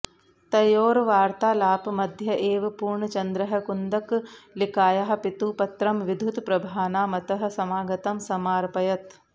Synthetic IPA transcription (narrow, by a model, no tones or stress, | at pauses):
t̪ɐjoːɾʋaːɾt̪aːlaːpmɐd̪ʱjɐʔeːʋɐpuːɾɳɐt͡ʃɐnd̪ɾɐɦɐ̆kund̪ɐklikaːjɐɦɐ̆pit̪uːpɐt̪ɾɐmʋid̪ʱut̪pɾɐbʱaːnaːmɐt̪ɐɦɐ̆sɐmaːɡɐt̪ɐmsɐmaːɾpɐjɐt̪